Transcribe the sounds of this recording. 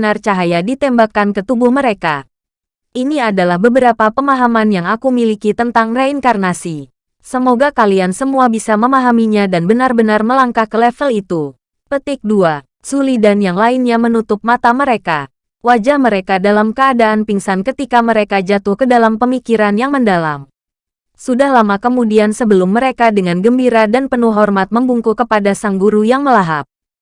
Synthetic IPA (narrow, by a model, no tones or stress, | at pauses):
nart͡ʃaɦajadit̪ɛmbakankət̪ubʊhməɾeka | ʔiniadalahbəbəɾapapəmaɦamanjaŋakumilikit̪ənt̪aŋraiŋkarnasi | səmoɡakaliansəmuabisaməmaɦamiɲadanbənarbənarməlaŋkahkəlɛfəlit̪u | pət̪ɪk̚dua | sulidanjaŋlainɲamənut̪ʊp̚mat̪aməɾeka | wad͡ʒahməɾekadalamkəadaːnpiŋsankət̪ikaməɾekad͡ʒat̪uhkədalampəmikiɾanjaŋməndala̰m | sudahlamakəmudiansəbəlʊmːəɾekadəŋanɡəmbiɾadanpənuɦɔrmat̪̚məmbuŋkukəpadasaŋɡuɾujaŋməlaɦa̰p̚